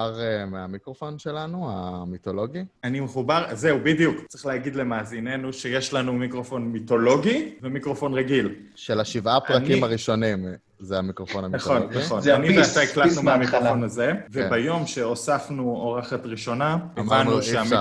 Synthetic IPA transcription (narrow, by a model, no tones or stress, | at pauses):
aʁemeamikʁofo̞nʃelanuamitolo̞ɡianimeχubaʁze̞ubid̪jukt͡sʁiχleaɡid̪le̞maːzine̞nuʃe̞jeʃlanumikʁo̞fo̞nmito̞lo̞ɡivemikʁo̞fo̞nʁeɡil | ʃelaʃivʔapʁankimaʁiʃo̞nim | zeamikʁofonaminaχonnaχonanimeasaiklat̪numeamikʁofonaze̞vebajo̞mʃe̞osafnuoʁaχatʁiʃo̞nakemanʃea